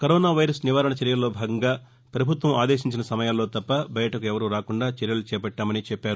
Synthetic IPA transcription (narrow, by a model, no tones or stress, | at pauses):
kɐɾoːnaːʋɐjɾɐsniʋaːɾɐɳɐt͡ʃɛɾjɐlɐlːo̞ːbʱaːɡɐŋɡaː | pɾɐbʱut̪ʋɐma̰ːd̪eːʃiɲt͡ʃinɐsɐmɐjaːlːo̞ːt̪ɐpːɐbɐjɐʈɐkuɛʋɐɾuːɾaːkuɳɖaːt͡ʃɛɾjɐlut͡ʃɛːpɐʈːaːmɐnit͡ʃɛpːaːɾu